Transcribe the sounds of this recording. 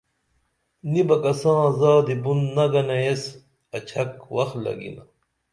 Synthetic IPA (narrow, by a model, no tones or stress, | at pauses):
nibɐkɐsãːzaːd̪ibunnɐɡɐnees | ɐt͡ɕʰɐkwɐxlɐ̰ɡḭnɐ